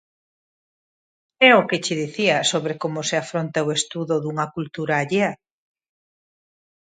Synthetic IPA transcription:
ɛʊkɪt͡ʃɪðiθiɐsoβɾekomʊseafɾont̪aoest̪uðʊðuŋɐkult̪uɾaːʎeɐ

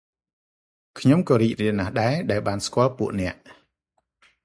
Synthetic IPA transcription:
kʰɲomkɑːɾiːk̚riəlnahɗaɛɗaɛlɓaːnskŏəlpuəʔnɛ̆əʔ

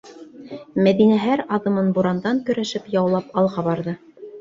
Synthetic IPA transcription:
mæðinæɦæɾɑðɤ̆mɤnbuɾɑnd̪ɑŋkɵ̆ɾæʃɘpjɑwlˠɑpɑlˠʁɑbɑɾðɤ

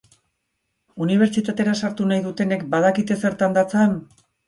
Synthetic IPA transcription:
uniβ̞e̞ɾt͡ʃit̪at̪e̞ɾasaɾt̪unajðut̪e̞ne̞kbaðakit̪e̞se̞ɾt̪and̪at͡san

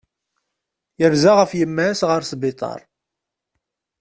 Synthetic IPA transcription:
jəɾzaʁəfjəmːæsʁəɾsbɪt̪ˤɑ̰ɾˤ

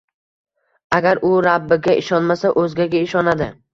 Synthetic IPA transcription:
aɡʲaɾʔʊɾabːɪɡʲaʔɪʃɒnmasaʔɵzɡʲaɡʲaɪʃɒnad̪ɪ

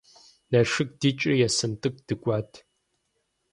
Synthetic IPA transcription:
nɐʂɨk̚d̥it͡ʃʼɪjɛsɨntʼɨk̚ʷʼd̥ɨkʷʼaːtʰ

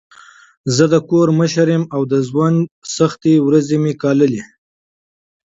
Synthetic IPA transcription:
zəd̪əkoɾməʃaɾjemawd̪əzwansaxt̪ewɾazemekɑləle

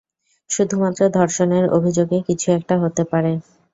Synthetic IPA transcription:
ʃud̪ʱumat̪ːɾod̪ʱɔɾʃoneɾo̰bʱid͡ʑoɡekit͡ɕʰuɛk̚ʈaɦot̪epaɾe

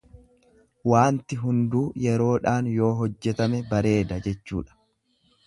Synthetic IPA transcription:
waːnt̪ɪɦʊnd̪uːjɛɾo̞ːᶑaːnjo̞ːɦɔd͡ʒːɛt̪ɐmɛbɐɾe̞ːd̪ɐd͡ʒɛt͡ʃːṵːᶑɐ̥

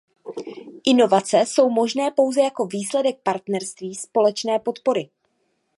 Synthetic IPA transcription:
ʔɪno̞vat͡sɛso̞wmo̞ʒnɛːpo̞wzɛjako̞viːslɛdɛk̚paɾt̪nɛɾst̪viːspo̞lɛt͡ʃnɛːpo̞t̪po̞ɾɪ

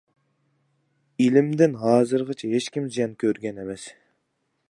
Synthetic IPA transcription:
ilɪmd̪ɪnɦɑːzɨɾʁət͡ʃʰɛɦet͡ʃkʲimzijɛnkʲʰøɾɡʲɛnemɛs

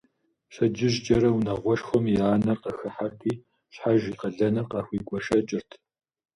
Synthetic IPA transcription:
ɕɐd͡ʒɪʑt͡ʃʼɐɾɐwunɐʁʷɔʃxʷɔmjaːnɐrqɐxɐħatʰʼiː | ɕħaʒiːqɐɮɐnɨrqɑːxʷiːɡʷʼɔʃɐt͡ʃʼɪrtʰ

